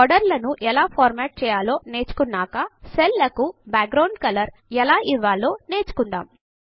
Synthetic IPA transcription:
ɔɖɐɾlɐnuʔɛlaːpʰɔːɾmɛːʈ̚t͡ʃɛːjaːlo̞ːne̞ːt͡ʃu̥kunːaːkɐselːɐkubaːɡ̚ɡɾɐwɳɖkɐlɐɾɛlaːʔiʋːaːlo̞ːne̞ːt͡ʃu̥kund̪a̰ːm

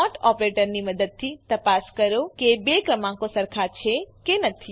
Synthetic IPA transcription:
ɔʈɔpɾeʈəɾniməd̪əd̪̚t̪ʰit̪əpaskəɾokebekɾəmãkosəɾkʰat͡ʃʰekenət̪ʰi

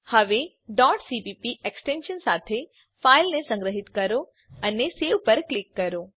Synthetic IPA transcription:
həʋe | ɖɔːʈsipipiʔeksʈẽnʃənsat̪ʰe | failnesə̃ŋɡɾəɦɪt̪kəɾo | əneseʋpəɾklɪkːəɾo

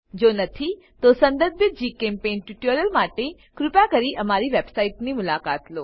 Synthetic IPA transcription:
d͡ʒoːnət̪ʰi | t̪osə̃nd̪əd̪ʱjəd͡ʑikempeːnʈuʈoɾjəlmaʈe | kɾʊpakəɾiʔəmaɾiʋebsaiʈnimʊlakat̪loː

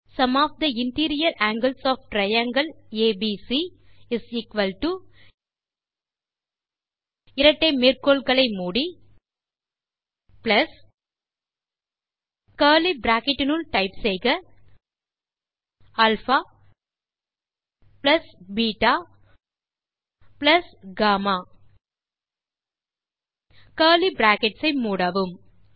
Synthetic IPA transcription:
sɐmɔːfd̪ɐɪɳʈiːɾɪjɐɾaːŋɡɪlsɔːfʈɾɐjaŋɡɐleːbiːsiɪsiːkʋɐlʈu | ɪɾɐʈːɐɪmeːɾkoːlɡɐɭɐɪmuːɽi | plɐs | kaːlibɾaːkɪʈːɪnʊlʈɐɪpsɛjɣɐ | ɐlfaː | plɐsbiːʈːaː | plɐsɡaːmaː | kaːlibɾaːkɛʈsɐɪmuːɽɐʋɯm

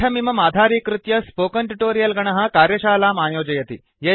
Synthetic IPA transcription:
ɐmimɐmaːd̪ʱaːɾiːkɾut̪jɐspoːkɐɳʈuʈoːɾijɐlɡɐɳ̃ɐɦɐ̆kaːɾjɐʃaːlaːmaːjoːd͡ʒɐjɐt̪ḭ | jɐ

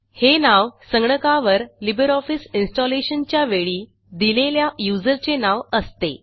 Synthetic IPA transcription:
henaʋsəŋɡɳəkaʋəɾlibəɾɔfisinsʈɔleɕənt͡ɕjaʋeɭiː | d̪ileljajud͡zəɾt͡senaʋəst̪e

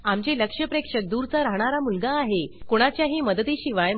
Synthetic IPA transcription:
amt͡ɕeləkʂjəpɾekʂək̚d̪uɾt͡saɾaɦɽ̃aɾamulɡaːɦekoɽ̃at͡ɕjaɦiːməd̪ət̪iːɕiʋaj

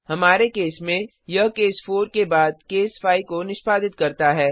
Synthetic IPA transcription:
hɐmaːɾekeːsmẽ | jɐkeːsfoːɾkebaːd̪̚keːsfaːikonɪʃpaːd̪ɪt̪̚kɐɾt̪aɦɛː

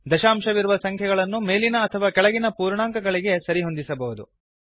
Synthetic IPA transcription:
d̪ɐʃaːmʂɐʋiɾuʋɐsɐŋkʰjɛɡɐɭɐnːume̞ːlinɐːt̪ʰɐʋaːkɛɭɐɡinɐpuːɾɳaːŋkɐɡɐɭiɡe̞sɐɾiɦo̞nd̪isɐbɐɦud̪ṵ

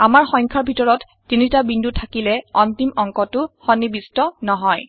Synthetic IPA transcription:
amaɹxɔjɲkʰaɹbʱitɔɹɔtːinitabindʱutʰakilɛɔntimɔŋkɔtʊxɔnːibistɔnɔɦɔj

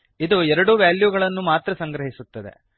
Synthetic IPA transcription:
id̪uɛɾɐɽuʋjaːljuɡɐɭɐnːumaːt̪ɾɐsɐŋɡɾɐɦisut̪ːɐd̪e̞̰

